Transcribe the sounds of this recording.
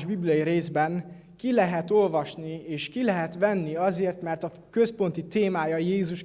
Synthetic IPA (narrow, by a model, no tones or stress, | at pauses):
ʒbiblijɒjiɾeːzbɛŋ | kilɛɦɛt̪o̞lvɒʃnieːʃkilɛɦɛt̪ʋɛnːiɒzeːrt̪mɛrt̪ɒ | kø̞spo̞nt̪it̪eːmaːjɒjeːzuʃ